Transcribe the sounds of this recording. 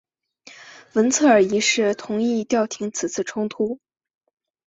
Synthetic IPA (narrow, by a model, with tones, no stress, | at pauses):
wə˧˥nt͡sʰɤ˥˩ə˞˨˩i˧˥ʂɻ̩˥˩t̪ʰʊ˧˥ŋi˥˧t̪jɑ˥˩ʊt̪ʰi˧˥ŋt͡sʰɹ̩˨˩t͡sʰɹ̩˥˩ʈ͡ʂʰʊ˥ŋt̪ʰu˥